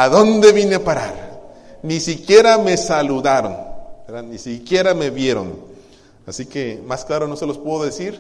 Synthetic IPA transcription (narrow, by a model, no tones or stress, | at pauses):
aðo̞nd̪e̞βinepaɾa̰ɾnisikje̞ɾame̞saluðaɾo̰nbeɾðanisikje̞ɾame̞βje̞ɾo̰n | asike̞masklaɾono̞selospweðoðesiɾ